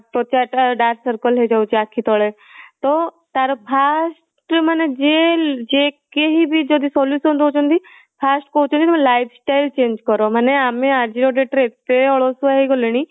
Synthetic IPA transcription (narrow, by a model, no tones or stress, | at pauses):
pɾot͡ʃaʈɖaːɾssəɾkəlɦed͡ʒaut͡ʃiakʰːit̪ɔːɭe | t̪o | t̪aɾopʰaːs | ʈmaned͡ʒed͡ʒekeɦibʱid͡ʒod̪isɔːlisɦõnd̪ɦot͡ʃõnd̪i | pʰaːsʈkot͡ʃnd̪it̪ːmlaːɪpsʈaːɪlt͡ʃẽːnd͡ʒkɔɾomaneaːmẽaɾd͡ʒiɾoɖeʈɾet̪eɔɭosuaɦeɡoleɽ̃i